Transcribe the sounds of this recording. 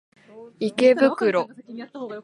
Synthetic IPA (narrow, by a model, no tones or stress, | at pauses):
ike̞bɯ̟kɯ̟ɾo̞